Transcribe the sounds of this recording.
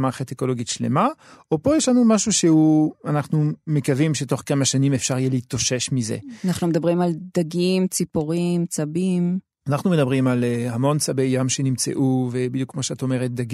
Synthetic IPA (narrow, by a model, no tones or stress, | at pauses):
maχateko̞loɡitʃle̞̰maopo̞jeʃlanumaʃuʃehuanaχnumekavimʃeto̞χkamaʃanimefʃaʁjɛlitoʃe̞ʃmizḛanaχnumed̪abʁimald̪aɡimt͡sipoʁimt͡sabim | anaχnume̞dabʁimalhamo̞nt͡sabejːamʃe̞nimt͡sḛʔuvebidjukmoʃeataome̞ʁet̚d̪aɡ